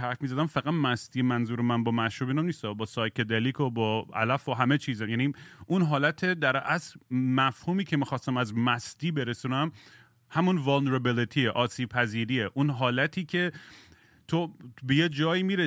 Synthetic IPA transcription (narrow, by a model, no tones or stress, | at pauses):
æɾfmizæd̪æmfæɣæt̪mæst̪iːemænzuːɾemænbɒːmæʃɾuːbiːnæmniːst̪ɒbɒːsɒːjkʰed̪elikʰobɒːæ̰læfoɦæme̞t͡ʃʰiːzæmjæːniʔunɦɒːlæt̪ʰe̞d̪æɾæsɾmæfhuːmiːcʰe̞miːxɒːst̪æmæzmæst̪iːbe̞ɾesuːnæm | hæmunvɔlneɾebilit̪ʰiːeʔɒːsiːb̥̚pʰæziːɾiːeʔunɦɒːlæt̪ʰiːcʰe | t̪ʰobejed͡ʒɒːjiːmiːɾe